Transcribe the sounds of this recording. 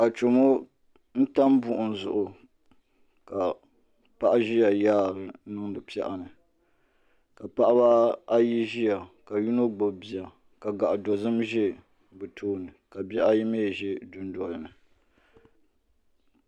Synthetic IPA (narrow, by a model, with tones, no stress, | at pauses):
a˨t͡ʃo˨mo˦ | n̩˦ta˦mbʊ˦ʔʊ˨n̩˨zʊ̰˨ʔʊ˨ | ka˨ | pa˦ʔa˦ʒi˦ja˨jaː˦ɾɨ˨˦nɨ˦ŋɨ˨pi˦ɛ̰˦ʔa˨nɨ˨ | ka˨pa˦ʔa˦ba˦a˦ji˦ʒi˦ja˨ka˨ju˦no˦ɡ͡bo˨bi˨a˨ | ka˨ɡa˨ʔa˨do˨zɨ˦mʒɪ˦ | bɨ˨tʰoː˦nɨ˨ka˨bɛ˦ʔa˦ji˦meː˦˨ʒɪ˦dʊ˦n˦dɔ˨lɨ˨nɨ˨